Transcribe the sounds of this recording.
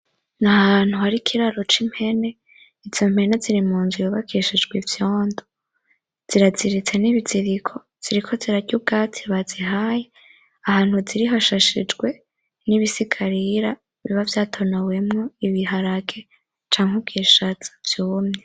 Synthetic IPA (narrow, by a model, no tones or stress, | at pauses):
nahaaːn̥huhaɾikʰiɾaɾo̞t͡ʃim̥he̞ne̞ | iz̥om̥he̞ne̞ziɾimuːnzujoβakʰiʃid͡ʒɡwivjoːndo | z̥iɾaziɾit͡se̞niβiziɾikʰo̞ | z̥iɾikʰo̞ziɾaɟub̚ɡaːtʰi̥βaziɦaːje | ahaːn̥huziɾiɦaʃaʃid͡ʒɡwe̞ | niβisikʰaɾiɾa | βḭβavjaːtʰo̞nawe̞mŋo̞iβiɦaɾaɡe̞ | t͡ʃaːŋ̥ub̚ɡiːʃat͡sḁv̥juːmɲe